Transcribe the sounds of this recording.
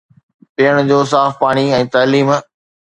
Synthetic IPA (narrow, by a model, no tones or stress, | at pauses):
pɪːəɽ̃ʊd͡ʑoːs̬aːfpaːɽ̃iɛ̃ːt̪aːliːm